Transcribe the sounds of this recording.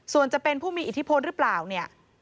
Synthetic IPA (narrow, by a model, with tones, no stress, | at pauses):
su˨˩ənt͡ɕa˨˩pe˧npʰuː˥˩miː˧ʔi˨˩t̪ʰːi˦˥pʰo˧nɾɯ˦˥plaː˨˩wni˥˩ɐ